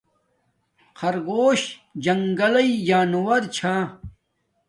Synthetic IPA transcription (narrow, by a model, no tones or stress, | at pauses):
qʰɐɾɡoːɕd͡ʑɐŋɡɐlɐid͡ʑaːnuwɐɾt͡ɕʰãː